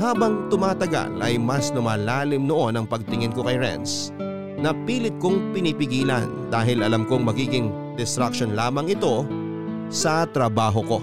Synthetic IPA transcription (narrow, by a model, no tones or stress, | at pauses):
haːbɐŋt̪ʊmaːt̪ɐɡa̰lʔɐjmɐsnʊmaːlaːlɪmnoʔo̞nɐŋpɐɡ̚t̪ɪŋɪnko̞kɐjɹɛ̰ns | nɐpiːlɪt̪̚koŋpɪniːpɪɡiːlɐ̰nd̪aːɦɪlʔɐlamkoŋmɐɡiːɡɪŋ | d̪ɛst̪ɾak̚ʃo̞nlaːmɐŋɪt̪o̞ | sɐt̪ɾɐbaːɦo̞ko̞̰